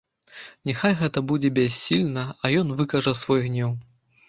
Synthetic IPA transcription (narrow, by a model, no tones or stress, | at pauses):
nʲɛxajɣɛt̪ɐbud͡zʲɛbʲɛsʲːilʲnɐɐjɔnvɨkɐʐɐsvɔjɣnʲɛw